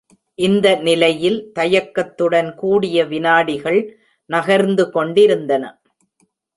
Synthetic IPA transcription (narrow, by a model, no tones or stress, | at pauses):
ʔɪnd̪ɐnɪlɐjɪlt̪ɐjɐkːɐt̪ːɯɽɐnkuːɽɪjɐʋɪnaːɽɪɣɐɭ | nɐɣɐɾnd̪ɯkɔɳɖɪɾɯnd̪ɐnɐ̰